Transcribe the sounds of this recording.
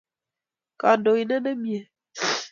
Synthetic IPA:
ka˨do˨i˨ne˦ne˦mi˦˨e˨

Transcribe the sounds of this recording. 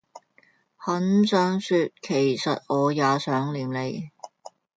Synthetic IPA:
hɐ˨˥nsœː˨˧ŋsyː˧t̚kʰe˨˩jsɐ˨t̚ʔɔː˨˧jaː˨˧sœː˨˥ŋliː˨mle˨˧j

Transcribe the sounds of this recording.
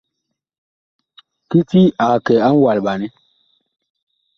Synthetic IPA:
ki˦ti˦a˨kɛ˨a˦n˦wa˨lɓa˨nɛ˦

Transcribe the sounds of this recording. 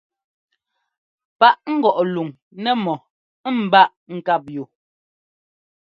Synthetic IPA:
pa˦ʔŋ̩˦ɡɔ˨ʔlu˨ŋ | nɛ˦mɔ˨˦ | m̩˨ba˦ʔŋ̩˦˨ka˦˨p̚jo˨

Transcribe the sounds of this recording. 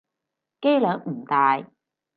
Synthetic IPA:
ke˥jlœː˨˥ŋm̩˨˩t̪aː˧j

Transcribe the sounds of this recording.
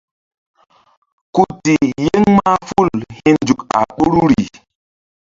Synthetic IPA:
ku˨ti˨je˦ŋma˦fu˦˨lhi˦nd͡ʒu˨ka̰˨ɓu˦ɾu˦ɾi˨

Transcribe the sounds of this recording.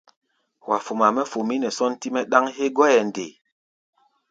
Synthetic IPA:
wa˨fo˨ma˨mɛ˦fo˨mi˦nɛ˨sɔ˦nti˦mɛ˦ɗa˦ŋɦe˦ɡɔ˦jɛ˨n˨de˨

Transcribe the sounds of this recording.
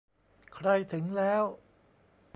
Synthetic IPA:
kʰɾa˧jt̪ʰɯ˩˦ŋlɛː˦˥w

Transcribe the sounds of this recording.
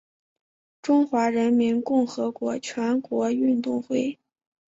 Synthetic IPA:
ʈ͡ʂʊ˥ŋxwa˧˥ɻə˧˥nmi˧˥nkʊ˥˩ŋxɤ˧˥kwɔ˧˥t͡ɕʰɥɛ˧˥nkwɔ˧˥y˥˧nt̪ʊ˥˧ŋxwe˥˩ɪ

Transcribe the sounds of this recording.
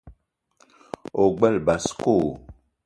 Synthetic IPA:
o˨ɡ͡bɛ˦˨lba˨sko˦˨

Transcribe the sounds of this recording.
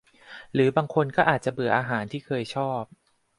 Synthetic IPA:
ɾɯː˩˦baː˧ŋkʰo˧nkɔː˥˩ʔaː˨˩t͡ɕa˨˩ʔbɯ˨˩˦ɐʔaː˧ɦaː˩˦nt̪ʰiː˥˩kʰɤː˧jt͡ɕʰɔː˥˩p̚

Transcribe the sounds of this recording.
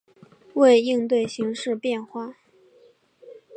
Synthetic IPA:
we˥˧ɪi˥˧ŋt̪we˥˩ɪɕi˧˥ŋʂɻ̩˥˧pjɛ˥˧nxwa˥˩

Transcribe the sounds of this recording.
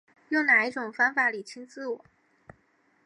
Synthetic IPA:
jʊ˥˩ʊna˨˩i˥˩ʈ͡ʂʊ˨˩ŋfa˥ŋfa˨˩li˨˩t͡ɕʰi˥ŋt͡sɹ̩˥˩wɔ˨˩˦

